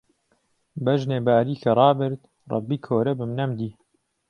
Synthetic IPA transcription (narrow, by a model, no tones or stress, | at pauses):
bɐʒneːbaːɾiːkʰɐrˤɑːbɨɾt̪ | rˤɑ̰bːiːkʰoːɾɐbɨmnɐmd̪iː